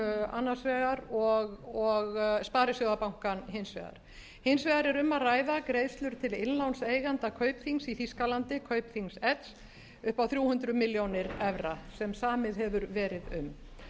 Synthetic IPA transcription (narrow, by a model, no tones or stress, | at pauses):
a̰nːasvɛːɣaɾɔɣɔɣspaːɾɪsjowðapawŋ̥kanɦejnsvɛ̰ɣa̰ɾ̥ | hejnsvɛːɣaɾɛɾʏmːaðraːjðakɾejðst̪lʏɾ̥t̪ʰɪlɪnlawnseːjɣant̪akʰœːɥpθiŋsiθiskalant̪ɪkʰœːɥpθiŋsɛt̪s | ʏhpawθɾjuːwhʏnt̪ɾʏmɪljownɪɾɛvɾasɛmsaːmɪðɦɛvʏɾvɛːɾɪðʏ̰m